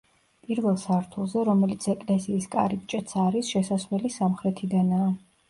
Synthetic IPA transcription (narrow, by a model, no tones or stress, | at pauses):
pʼiɾvɛlˠsaɾt̪ʰulˠzɛɾɔmɛlit̪sʰɛkʼlɛsiːskʼa̰ɾip̚ʼt͡ʃʼɛt̪sʰaɾisʃɛsaslɛlisamχɾɛt̪ʰid̪anaː